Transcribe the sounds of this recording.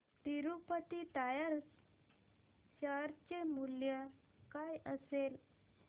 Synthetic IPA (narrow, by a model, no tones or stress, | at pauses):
t̪iɾupət̪it̪ajaɾs | ɕəɾt͡ɕemulja | kajəsel